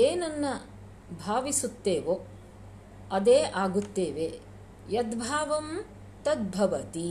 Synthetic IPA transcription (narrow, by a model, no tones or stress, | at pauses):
eːnɐnːɐ | bʱaːʋisut̪ːeːʋo | ɐd̪eːʔaːɡut̪ːeːʋe | jɐd̪bʱaːʋɐm | t̪ɐd̪̚bʱɐʋɐt̪i